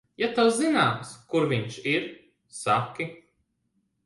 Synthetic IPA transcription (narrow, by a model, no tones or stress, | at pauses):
jat̪aszinaːmskuɾviɲʃiɾ | sakʲːi